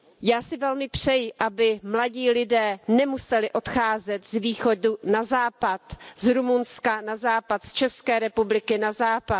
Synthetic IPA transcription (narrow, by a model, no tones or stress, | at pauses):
jaːsɪvɛlmɪpr̝̥ɛjɪʔabɪmlaɟiːlɪdɛːnɛmusɛlɪʔo̞t̪xaːzɛt̪zviːxo̞dunazaːpat̪zɾumunskanazaːpat̪st͡ʃɛskɛːɾɛpublɪkɪnazaːpat̪